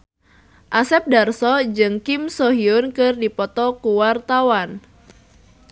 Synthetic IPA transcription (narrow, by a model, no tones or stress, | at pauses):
ʔasɛp̚darsɔd͡ʒɨŋkimsɔɦiʊnkɨrdipɔt̪ɔkuwart̪awan